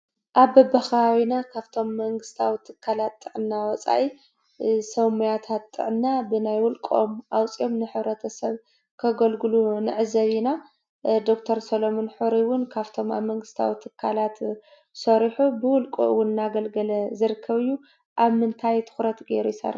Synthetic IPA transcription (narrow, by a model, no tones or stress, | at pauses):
ʔaβbɐbɐxaawinakʰaβt̪ʰo̞mːɐŋɡɨst̪ʰawit̪ʰɨ̥kʰːalat̪ʼːɨʕɨnːawɔt͡sʼa̰ʔi | sɐmujat̪ʰat̪ʼːɨ̰ʕɨnːabɨnajwʊlkʼomʔawt͡sʼio̞mnɨħɨβɾɐt̪ʰɐsɐβ | kʰɐɡɐlɡɨlunɨʕɨzɐβina | d̪o̞kt̪ʰɐɾsɐlomonħuɾiwʊnkʰaβt̪ʰo̞ma̰βmɐŋɡɨst̪ʰa̰wit̪ʰɨkʰːalat̪ | sɐɾiħubɨwʊlkʼṵʔwʊnnaɡɐlɡɐlɐzɨɾɨkʰːɐβɨjːu | ʔaβmɨnt̪ʰajt̪ʰɨ̥xɾɐt̪ɡeɾujɪsɐ̰r